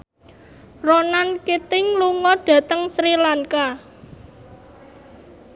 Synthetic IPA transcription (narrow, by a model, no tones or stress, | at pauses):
ronankit̪ɪŋluŋɔɖ̥ä̤t̪əŋsɾilaŋka